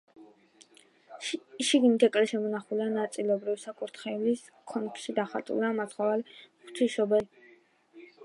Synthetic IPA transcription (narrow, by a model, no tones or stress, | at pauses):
ʃiɡimit̪ʰɛkʼlɛʃɛmɔnaχulianat̪sʼilɔbɾivisakʼuɾt̪ʰχɛlis | kʰɔnpʰʃid̪aχa̰t̪ʼṵlamasχavalχt̪ʰiʃɔbɛl